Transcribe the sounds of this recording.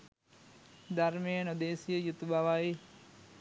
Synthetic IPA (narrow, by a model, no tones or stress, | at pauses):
d̪ɐɾmejənod̪eːsijəjut̪ubaʋai